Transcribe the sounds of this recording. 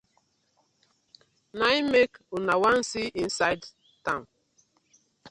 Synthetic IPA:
naimekunawan̩siʔin̩sajd | tãn

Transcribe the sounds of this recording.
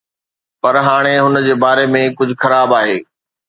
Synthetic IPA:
pɐɾɦaːɽ̃eɦʊnəd͡ʑeːbaːɾemẽkʊd͡ʑʱʊxɐɾaːbaːɦeː

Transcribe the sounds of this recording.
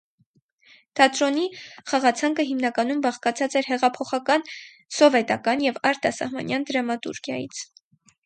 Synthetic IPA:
t̪ʰɑt̪ɾɔniχɑʁɑt͡sʰɑŋkəɦimnɑkɑnumbɑχkɑt͡sʰɑt͡sɛɾɦɛʁɑpʰɔχɑkɑn | sɔvɛt̪ɑkɑnjɛvɑɾt̪ɑsɑ̰hmɑ̰njɑnd̪əɾɑmɑt̪ṵɾkʰjɑjḭt͡sʰ

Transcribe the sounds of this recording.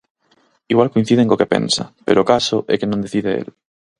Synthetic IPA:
iɣwalkoin̟θið̞eŋkokepḛ̃nsapeɾokasoʔekenõnd̪eθiðeḛl

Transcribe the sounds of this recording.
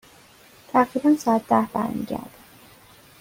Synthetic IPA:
t̪ʰæɢɾiːbænsɒːæt̪̚ʰd̪æhbæ̰ɾmḭːɟæ̰ɾd̪̥

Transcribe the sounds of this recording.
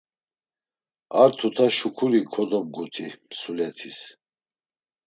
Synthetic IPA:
aɾt̪ʰut̪ʰaʃukʰuɾikʰɔd̪ɔb̚ɡut̪ʰimsulɛt̪ʰis

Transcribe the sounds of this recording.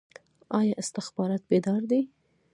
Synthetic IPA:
ɑjɑʔɪst̪ɪxbɑɾɑt̪̚bed̪ɑɾd̪i

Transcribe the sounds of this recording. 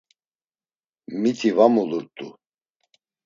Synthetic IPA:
mit̪ʰivamuluɾt̪ʼu

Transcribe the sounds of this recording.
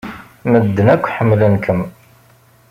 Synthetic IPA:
məd̪ːənækʷːħəmːlənkʰəm

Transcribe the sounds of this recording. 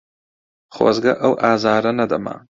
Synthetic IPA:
xo̰zɡaʔawʔɑzɑɾanad̪amɑ̰ː

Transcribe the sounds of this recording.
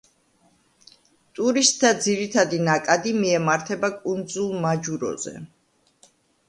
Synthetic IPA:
t̪ʼuɾist̪̚ʼd̪ad̪ziɾit̪ʰad̪inakʼad̪imiɛmaɾt̪ʰɛbakʼund̪zulˠmad͡ʒuɾɔ̰zɛ̰

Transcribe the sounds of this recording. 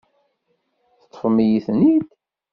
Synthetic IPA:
θət̪ˤːə̥fmijiθnid̪

